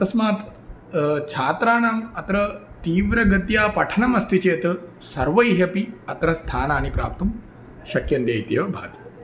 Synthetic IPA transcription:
t̪ɐsmaːt̪ | t͡ʃʰaːt̪ɾaːnaːmɐt̪ɾɐ | t̪iːʋɾɐɡɐt̪jaːpɐʈʰɐnɐmɐst̪ʰit͡ʃeːt̪ɐ | sɐɾʋɐjɦɐpiɐt̪ɾɐst̪ʰaːnaːnipɾa̰ːp̚t̪um | ʃɐkjɐnd̪jeːjt̪iːʋɐbʱaːt̪i̥

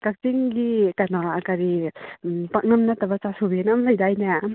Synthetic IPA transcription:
kak̚tiŋɡikanaakaɾi | pak̚nɐmnatabat͡ʃasobinamlajdajna

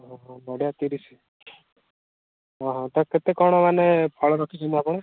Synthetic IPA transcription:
ɦɔ̃ɦbɔɽjat̪iɾit͡ʃʰi̥ | ɦɔ̃ɦɔ̃t̪ɔket̪ekɔɽ̃ɔmanepʰɔɭɔɾɔkʰit͡ʃʰɔnt̪iapɔɽ̃e

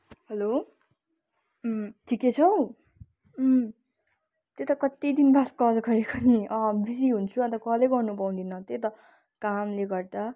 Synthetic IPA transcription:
hʌlo | t̪ʰikːet͡sʰʌw̃ | t̪et̪ʌkʌt̪id̪inbaskʌlɡʌɾekʰʌniʌ̃bis̬iɦunt͡sʰuʌ̃nt̪ʌkʌleɡʌrnup̬aw̃d̪inʌt̪et̪ʌ | kamleɡʌrd̪a

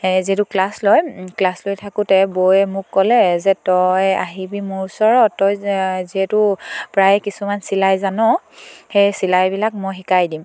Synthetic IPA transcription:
ziɛtʊklaslojklaslojtʰakʊtɛbojɛmʊkːɔlɛzɛtɔjaɦibimʊɹusɔɹɔtːɔjziɦɛtʊpɹajkisumansilajzanɔ | xejsilajbilak̚mɔjxikajdim

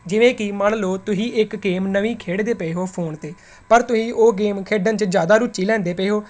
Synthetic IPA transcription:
d͡ʒɪʋẽːkɪməɽloːt̪ʊsĩːʔɪkɡeːmnəʋĩːkʰeːɽd̪eːpəeːɦoːpʰoːnt̪eː | pəɾt̪ʊsĩːʔoːɡeːmkʰeːɖənt͡ʃd͡ʒjaːd̪aːɾʊt͡ʃːiːlɛ̃ːnd̪eːpəeːɦoː

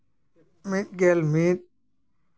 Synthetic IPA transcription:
mit̪̚ɡelmit̪̚

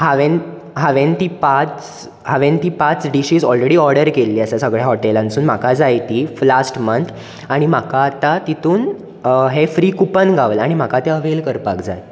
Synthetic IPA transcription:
haʋen | ɦaʋent̪iːpat͡s | haʋẽnt̪iːpat͡sɖiɕiːd͡zɔlɾeɽiːɔɾɽəɾkelːiːəsasəɡɭjaɦɔʈelãnsuːnm̤akad͡zajt̪iːflasʈmənt̪ʰ | aɽ̃im̤akaːt̪at̪it̪uːn | ɦefɾiːkupənɡʱaʋəlaɽ̃im̤akat̪eəʋelkəɾpakd͡za̰j

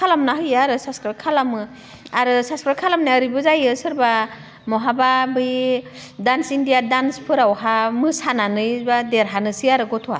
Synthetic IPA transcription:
kʰalamnaɦɯjaɾɯsaskɾɯkʰalamɯ | aɾɯsaskɾɯkʰalamnajaɾibɯzajɯsɯɾba | mɔɦababɯj | dansindijadanspʰɯɾawhamɯsananɯjbadeɾɦanɯsiaɾɯɡɔtʰɔa̰

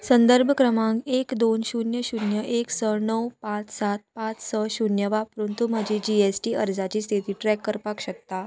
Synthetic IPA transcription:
sənd̪əɾbʱəkɾəmãŋɡekd̪onɕunjəɕunjəʔeksənəwpãt͡ssat̪̚pãt͡ssəɕunjəʋapəɾunt̪um̤əd͡ʑid͡ʑiesʈiːəɾd͡zat͡ɕiːst̪ʰit̪iːʈɾɛkːəɾpakɕək̚t̪a

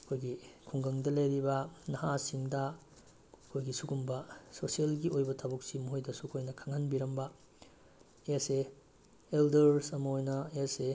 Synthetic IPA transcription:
ɐkʰojɡikʰuŋɡɐŋdɐlɐjɾibɐnɐɦasiŋdɐ | ɐkʰojɡisuɡumbɐsosielɡiojbɐtʰabuk̚simuɦojdɐsukʰojnɐkʰaŋhanbiɾɐmbɐ | ese | eldeɾsɐmɐojnɐese

